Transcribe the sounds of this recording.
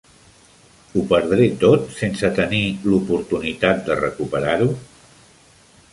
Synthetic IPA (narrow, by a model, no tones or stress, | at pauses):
upəɾðɾet̪ot̪sensət̪ənilupuɾt̪unit̪at̪̚d̪ərəkupəɾaɾu